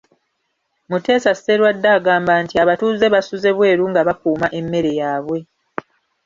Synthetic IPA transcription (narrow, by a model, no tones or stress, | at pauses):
mute̞ːsasːe̞ɾwadːaːɡaːmbantiaβatuːze̞βasuze̞βwe̞ːɾuŋɡaβakuːmaʔe̞mːe̞ɾe̞jaːβwe̞